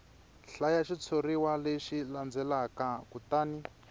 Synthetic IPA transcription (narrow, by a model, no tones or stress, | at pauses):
ɬajaʃit͡sʰoriwaleʃiland͡zɛlakakutaːni